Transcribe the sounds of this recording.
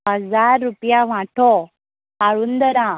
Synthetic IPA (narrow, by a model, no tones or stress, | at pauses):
ɦəd͡zaɾːupjaʋ̤ãʈʰɔ | aɭuːnd̪əɾã